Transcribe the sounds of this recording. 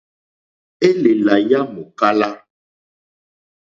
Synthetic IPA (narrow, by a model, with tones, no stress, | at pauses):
e˦le˨la˨ja˦mo˨ka˦la˦